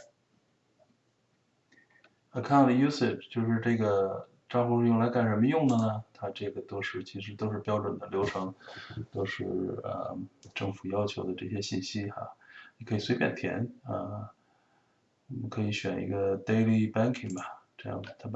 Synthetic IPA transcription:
a˧kʰa˥˩nə˧˩ju˥sɪ˨˩ʈ͡ʂt͡ɕjo˥˧ʊʂɻ̩˥˧ʈ͡ʂɤ˥˩ɡə˩ | ʈ͡ʂɑ˥˧ŋfu˥˧˥jʊ˥˩ŋla˧˥ɪka˨˩nʂə˧˥nmə˧˦jʊ˥˩ŋnə˨nə˩t̪ʰa˥ʈ͡ʂɤ˥˩ɡə˩t̪o˥ʊʂɻ̩˥˩t͡ɕʰi˧˥ʂɻ̩˧˥t̪o˥ʊʂɻ̩˥˧pjɑ˥ʊʈ͡ʂwə˨˩nd̪ə˦ljo˧˥ʊʂɑ˥ŋt̪o˥ʊʂɻ̩˥˩ə̰˧˩ʈ͡ʂɤ˥˩ŋfu˨˩jɑ˥ʊt͡ɕʰjo˧˥ʊd̪ə˧ʈ͡ʂɤ˥˩ɕ̬jɛ˥ɕi˥˩nɕi˥a̰˧ni˨˩kʰɤ˧˥i˨˩swe˧˥ɪpjɛ̰˨˩nt̪ʰjɛ̰˧˥nə̰˧ | ɔ˨˩mə˦kʰɤ˧˥i˧˥ɕɥɛ˨˩nḭ˧˥ɡə˧t̪e˥ɪli˥˩pa˥nkʰi˨˩ŋbɐ˩ʈ͡ʂɤ˥˧jɑ̰˥˩ŋd͡zə˨˩t̪ʰa˥

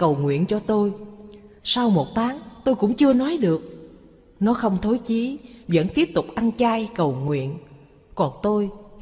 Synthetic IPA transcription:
kə˨˩wŋwḭ˧˨ənt͡ɕɔ˧t̪o˧j | sa˧wmo˨˩t̚t̪ʰaː˨˦ŋt̪o˧jkʊ̰˧˥ŋ͡mt͡ɕɨ˧ənɔ˨˦jɗɨ˨˩ək̚ | nɔ˨˦xə˧wŋ͡mt̪ʰo˨˦jt͡ɕi˨˦və̰˧˥nt̪i˦˥əp̚t̪ʊ˨˩k͡p̚ʔa˧nt͡ɕaː˧jkə˨˩wŋwḭ˧˨ən | kɔ˨˩nt̪o˧j

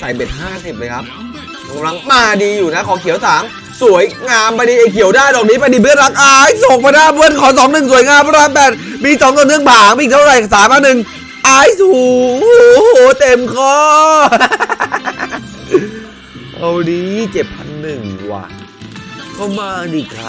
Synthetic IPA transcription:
sa˨˩jbe˨˩t̪̚haː˥˩si˨˩p̚a˧jkʰa˦˥p̚ | kʰa˩˨˧mla˧ŋmaː˧diː˧juː˨˩na˦˥kʰɔː˩˦kʰi˨˩˦wsaː˩˦m | su˨˩˦əjŋaː˧mpa˧jdiː˧ʔa˧jkʰi˨˩˦əwdaː˥˩jdɔː˨˩k̚niː˦˥pa˧jdiː˧˩bɯ˥˩ənɾa˦˥k̚ʔaː˧jso˨˩k̚pa˧jnaː˦˥˩bɯ˧˥˩ənkʰɔː˨˦sɔː˩˦ŋnɯ˨˩ŋsu˩˦jŋaː˧m˧ɾaː˧˥mpɛː˨˩t̪̚ | miː˧sɔ˨˦ŋt̪ɔː˨˩nɯ˥˩əŋpʰaː˨˩˦ŋmiː˧˨˩t̪ʰa˥˩wɾa˨˩ja˨˩saː˨˦mpʰaː˧nɯ˨˩ŋ | ʔaː˧˥jsuː˨˩ | hoː˨˩˦t̪e˧mkʰɔː˥˩ | ʔa˧wniː˦˩t͡ɕe˨˩p̚ʰa˧nːɯ˨˩ŋwa̰ː˨˩ | kɔ˥˩maː˧diː˧˩kʰa˦˥

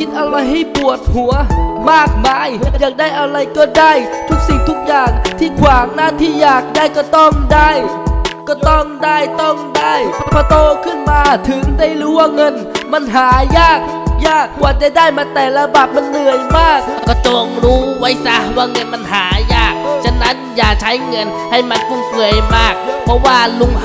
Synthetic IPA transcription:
ki˧n̚ʔa˧wɾa˧jɦa˥˩jpu˨˩ət̪̚hu˩˦ɐmaː˥˩k̚maː˧jːaː˨˩k̚daː˥˩jʔa˧wɾa˧jkɔː˧˩daː˥˩jt̪ʰu˦˥k̚si˨˩ŋt̪ʰu˦˥k̚jaː˨˩ŋt̪ʰiː˧˩kʰwaː˨˦ŋnaː˧˥˩t̪ʰiː˧˥˩jaː˨˩k̚daː˧˥˩jkɔː˧˩t̪ɔ˧˩ŋdaː˥˩jkɔː˧˩t̪ɔ˧˩ŋdaː˥˩jt̪ɔ˥˩ŋdaː˥˩jpʰɔː˧t̪oː˧kʰɯ˥˩˨nmaː˧t̪ʰɯ˨˦ŋda˧˩jɾuː˨˦˥waː˧˩ŋɤ˧˥n | ma˧˥˨nɦaː˩˦jaː˥˩k̚jaː˧˥˩k̚ːwaː˨˧˩t͡ɕa˧˩daː˥˩jmaː˧˥t̪ɛː˨˩la˧ba˨˩p̪̚ma˧˥˨nːɯ˨˩əjmaː˥˩k̚kɔː˧˩t͡ɕo˧˩ŋɾuː˦˥wa˦˥jsa˦˥waː˧˩ŋɤ˧nma˧˥nɦaː˩˦jaː˥˩k̚t͡ɕʰa˧na˦˥njaː˨˩t͡ɕʰa˦˥jŋɤ˧n | ha˧˩jma˧˥npu˧˩ŋpɯ˨˩əjmaː˥˩k̚pʰɔ˦˧˥waː˧˩lu˧ŋ

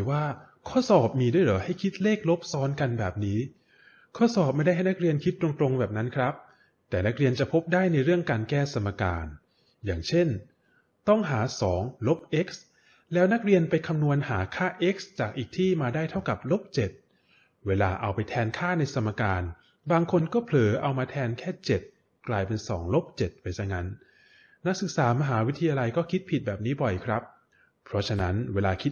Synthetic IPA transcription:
jwaː˥˩ | kʰɔː˥˩sɔː˨˩p̚miː˧du˥˩jlɯ˩˦ha˥˩jkʰi˦˥t̪̚leː˥˩k̚lo˦˥p̚sɔː˦˥nka˧nbɛː˨˩p̚niː˦˥ | kʰɔː˥˩sɔː˨˩p̚ma˥˩da˥˩jɦa˥˩jna˦˥k̚ɾi˧ənkʰi˦˥t̪̚ːɾo˧ŋt̪ɾo˧ŋbɛː˨˩p̚na˦˥nkʰɾa˦˥p̚ | t̪ɛː˨˩na˦˥k̚ɾi˧ənt͡ɕa˨˩pʰo˦˥p̚daː˥˩jna˧jɾɯ˥˩əŋkaː˧nkɛː˥˩sa˧mːa˧ka̰ː˧n | jaː˨˩ŋt͡ɕʰe˥˩n | t̪ɔ˥˩ŋɦaː˩˦sɔː˩˦ŋlo˦˥p̚ʔe˦˥k̚s | lɛː˦˥wna˦˥k̚ɾi˧ənpa˧jkʰa˧mnu˧ənhaː˩˦kʰaː˥˩ʔe˦˥k̚st͡ɕaː˨˩k̚ʔiː˨˩k̚t̪ʰiː˥˩maː˧daː˥˩jt̪ʰa˥˩wka˨˩p̚lo˦˥p̚t͡ɕe˨˩t̪̚ | weː˧laː˧ʔa˧wpa˧jt̪ʰɛː˧nkʰaː˥˩na˧jsʰa˧mːa˧kaː˧n | baː˧ŋkʰo˧nkɔː˥˩pʰlɤː˩˦ʔa˧wmaː˧t̪ʰɛː˧nkʰɛː˥˩t͡ɕe˨˩t̪̚ | klaː˧jpe˧nsɔ̰ː˩˦ŋlo˦˥p̚t͡ɕe˨˩t̪̚pa˧jsa˧˩ŋa˦˥nː | a˦˥k̚sɯ˨˩k̚saː˩˦ma˧ɦaː˩˦wi˦˥t̪ʰa˧jaː˧la˧jkɔː˥˩kʰi˦˥t̪̚pʰi˨˩t̪̚bɛː˨˩p̚niː˦˥bɔ˨˩jkʰɾa˦˥p̚ʰ | ɾɔ˦˥t͡ɕʰa˧na˦˥nweː˧laː˧kʰi˦˥t̪̚

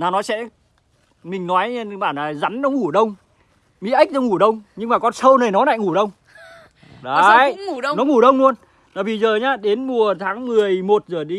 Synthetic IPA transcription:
naː˨˩nɔ˨˦sɛ̰˧˥ | mï˨˩ŋ̟nɔ˨˦jɓaː˧˩naː˨˩za˨˦nnɔ˨˦ŋu˧˩ɗə˧wŋ͡m | mḭ˧˥ʔi˦˥k̚ɗə˧wŋ͡mŋːu˧˩ɗə˧wŋ͡mɲɨ˧ŋmaː˨˩kɔ˧nsəː˧wnəː˨˩jnɔ˨˦na̰ː˧˨ŋu˧˩ɗə˧wŋ͡m | ɗa˨˦˧ju˧˩˧nɔ˨˦ŋu˧˩ɗə˧wŋ͡mlu˧ən | aː˧˩vi˨˩zəː˨˩ɲaː˧ɗe˨˦nmu˨˩ət̪ʰaː˨˦ŋmɨ˨˩əjmo˨˩t̚zəː˨˩ɗi˧˦

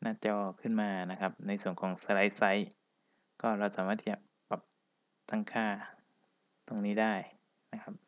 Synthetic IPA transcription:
nʔaː˧˥˩t͡ɕɔː˧kʰɯ˥˩nmaː˧na˦˥kʰa˦˥p̚na˧jsu˨˩ənkʰɔː˩˦ŋsa˧ɾa˦˥jsa˦˥j | kɔː˥˩ɾa˧wsaː˩˦maː˥˩t̪ʰi˥t͡ɕa˨˩ | pa˨˩p̚ | t̪a˥˩ŋkʰaː˥˩ | t̪o˧ŋniː˦˥daː˥˩j | na˦˥kʰa˦˥p̚

